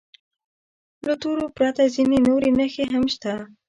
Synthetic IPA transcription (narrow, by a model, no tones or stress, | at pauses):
lət̪oɾopɾat̪azinenoɾenəxeɦamʃt̪a